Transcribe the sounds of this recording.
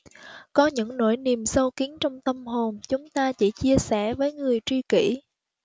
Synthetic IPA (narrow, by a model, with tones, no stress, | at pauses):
kɔ˨˦ɲɨ̰˧˥ŋno̰˧˥˩jni˨˩əmsə˧wki˨˦ənt͡ɕɔ˧wŋ͡mt̪ə˧mɦo˨˩nt͡ɕʊ˨˦ŋ͡mt̪aː˧t͡ɕḭ˧˩t͡ɕi˧əsɛ˧˩vəː˨˦jŋɨ˨˩əjt͡ɕwi˧kḭ˧˩